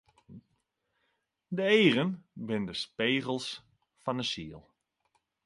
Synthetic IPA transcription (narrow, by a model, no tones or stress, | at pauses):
dəeːrənbɪndəspeːɣəlˠs | fɔnəsiəlˠ